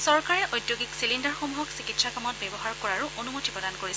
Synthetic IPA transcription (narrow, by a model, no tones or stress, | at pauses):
sɔɹkaɹɛʔojdjoɡiksilindɔɹxomuɦɔksikitsakamɔt̚bɛbɔɦaɹkɔɹaɹuʔonumotipɹɔdankoɹis